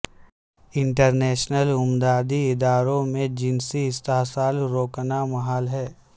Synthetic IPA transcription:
ɪ̃ɳʈəɾnɛːʃnəlʊmd̪aːd̪iɪd̪aːɾõmẽd͡ʒɪnsiɪst̪aɦsaːlɾoːknamɐɦaːlɦɛː

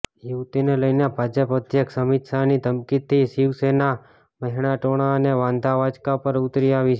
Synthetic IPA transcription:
juʋt̪ineləjnebʱad͡ʒəpəd̪ʱjəksəmit̪sanid̪ʱəmkit̪ʰːiʃiʋsena | məɦiɽ̃aʈoɽ̃aəneʋãnd̪ʱaʋad͡ʒkapəɾut̪ɾiaʋit͡ʃʰ

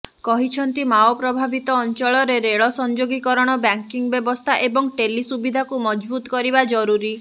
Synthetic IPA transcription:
kɔɦit͡ʃʰɔnt̪imaɔpɾɔbʱabit̪ɔːnt͡ʃɔɭɔɾeɾeɭɔsɔnd͡ʒoɡikɔɾɔɽ̃ɔbaŋkiŋbjebɔst̪ʰaʔebɔŋʈelisubid̪ʱakumɔd͡ʒbut̪ɔ̥kɔɾibad͡ʒɔɾuɾi

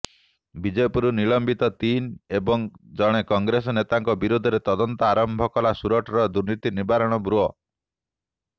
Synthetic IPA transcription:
bid͡ʒepuɾuniɭɔmbit̪ɔt̪inebɔŋd͡ʒɔɽ̃ekɔŋɡɾes̬ɔnet̪aŋkɔbiɾud̪ʱɔɾet̪ɔd̪ɔnt̪ɔaɾɔmbʱɔkɔlasuɾɔʈɔɾɔd̪uɾnit̪inibaɾɔɽ̃ɔbɾuɔ

